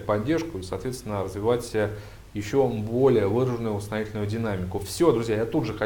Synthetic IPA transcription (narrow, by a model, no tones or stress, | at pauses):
pɐdʲːerʂkʊisɐːt̪vʲet̪st̪ʲɪnəɾəzvʲɪvatʲə | jɪɕːo̞bo̞lʲɪjəvɨɾəʐɨnʊjʊʊsnɐjitʲɪlʲnʊjʊdʲɪnamʲɪkʊfsʲo̞d̪ɾʊzʲjajat̪ud̪ʐɨxɐ